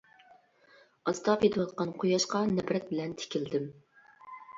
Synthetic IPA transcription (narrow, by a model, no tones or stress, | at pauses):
ɑst̪ɑpjet̪ʰɨwɑt̪̚qɑnqʰojɑʃqɑnɛbɾɛt̪̚bɪlɛnt̪ʰe̥kʲʰild̪ɪm